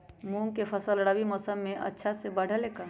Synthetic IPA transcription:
mũːŋkepʰɐsəlɽaːwimɔːsəmːẽʔɐ̰tːʃʰasebɐɽ̤ʱəleːkəɾ

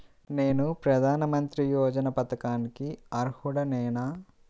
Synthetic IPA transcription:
ne̞ːnupɾɐd̪ʱaːnɐmɐnt̪ɾijɔːd͡ʒɐnɐpɐt̪ɐkaːnikiɐɾhuɽɐnɛːna

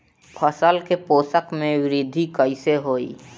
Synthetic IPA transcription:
pʰəsəlkepoːsəkmẽwɪɾɪd̪ʱikəɪseɦoːḭː

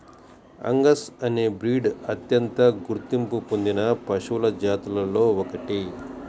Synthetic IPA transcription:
ɐ̰ŋɡɐsɐneːbɾiːɖɐt̪jɐnt̪ɐɡuɾt̪impupond̪inɐpɐʂulɐd͡ʒaːt̪ɐlɐlo̞ːɔkɐʈi

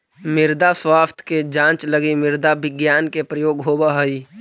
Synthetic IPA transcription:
mɪɾd̪aswaːft̪ʰked͡ʒãːt͡ʃləɡimɪɾd̪abʱɪɡjaːnkepɾəjoːɡɦoːbaɦəi

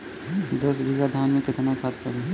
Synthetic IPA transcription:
d̪oːsbʱiɡad̪ʱaːnmẽkɪt̪nakʰat̪ːəɾɛ

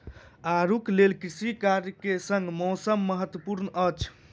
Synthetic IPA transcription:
aɾuklelkɾisikaɾjkesəŋɡmɔsəmːəɦət̪wəpuɾnət͡ʃʰ

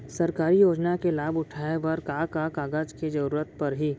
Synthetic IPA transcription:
sɐɾkaːɾijoːd͡ʒnakelaːbʊʈʰaːeʋəɾkaːkakaːɡaːd͡ʒked͡ʒɐɾuːɾət̪̚pɐɾɦiː

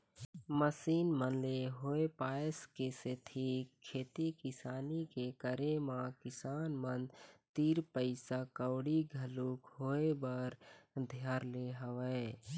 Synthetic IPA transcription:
məsiːnmənleɦoepaːeskeset̪ʰikʰːeːt̪ikɪsaːnikekəɾemãkɪsaːnmənt̪iːɾpəɪsakəwɽiɡʱəluːkɦoːebəɾd̪ʱjaːɾleɦəwɛ

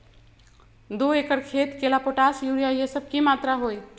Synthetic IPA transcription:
d̪oekəɽkʰeːt̪kelapoʈaːsjuɾijajesəb̚kimaːt̪ɾaɦoːj

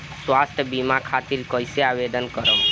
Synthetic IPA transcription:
swast̪ʰəbimakʰat̪iɾkəjseaʋed̪ənkəɾəm

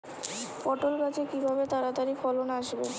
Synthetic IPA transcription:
pɔʈolkat͡ɕekibʱabet̪aɾat̪aɾifɔlonaaʃbe

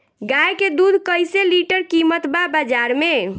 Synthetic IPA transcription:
ɡajked̪ud̪ʱkəjseliʈəɾkimət̪babad͡ʒaɾme

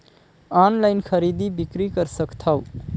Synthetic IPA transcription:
anlaɪnkʰəɾid̪ibikɾikəɾsəkt̪ʰaw

